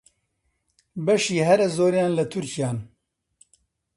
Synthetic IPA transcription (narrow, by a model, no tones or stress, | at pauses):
bɛʃiːɦɛɾɛzoːɾijaːnlɐt̪ʰʊɾcijaːn